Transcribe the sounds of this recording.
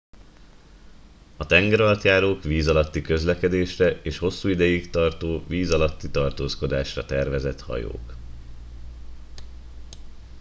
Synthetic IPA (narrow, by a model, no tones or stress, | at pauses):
ɒt̪ɛŋɡɛɾɒlt̪jaːɾoːkʋiːzɒlɒt̪ːikø̞zlɛkɛd̪eːʃrɛʔeːʃho̞sːuːid̪ɛjikt̪ɒrt̪oːviːzɒlɒt̪ːit̪ɒrt̪oːsko̞d̪aːʃrɒt̪ɛrvɛzɛt̪hɒ̰jo̰ːk